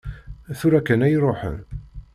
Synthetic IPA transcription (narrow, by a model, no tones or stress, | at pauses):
θʊɾækːænæjɾˤoħə̰n